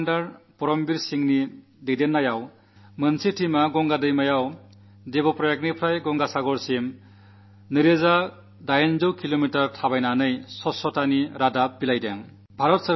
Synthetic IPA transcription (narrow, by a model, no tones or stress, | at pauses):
ndaɾpɔɾɔmbiɾsiŋni | dedenːajaw | mɯnsitʰimaɡɔŋɡadɯjmajaw | debɔpɾɔjek̚nipʰɾajɡɔŋɡasaɡɔɾsim | nɯɾeza | dajnzɯwkʰilomitaɾtʰabajnanɯjsɔsɔtʰaniɾadapbilajdeŋ | bʱaɾɔtsɯ